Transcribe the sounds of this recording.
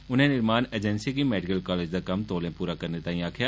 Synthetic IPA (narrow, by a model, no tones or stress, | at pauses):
ʊn̤ẽnɪɾmaːned͡ʒənsikimɛːɖɪkəlkaːleːd͡ʒd̪akɐmt̪oːlẽpuːɾakɐɾnet̪aːĩaːkʰɪjaː